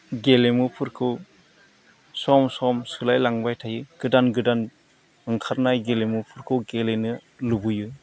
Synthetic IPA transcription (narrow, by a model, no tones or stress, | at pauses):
ɡelemupʰɯɾkʰɯw | sɔmsɔmsɯlajlaŋbajtʰajɯɡ̥ɯdanɡɯdan | ɯŋkʰaɾnajɡelemupʰuɾkʰɯwɡelenɯ | lubujɯ